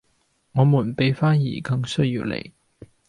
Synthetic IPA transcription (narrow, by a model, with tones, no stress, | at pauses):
ŋɔː˨˧muː˨˩npe˨˥jfaː˥njiː˨˩kɐ˧ŋsɵ˥ɥjiː˧wlḛ˨˩j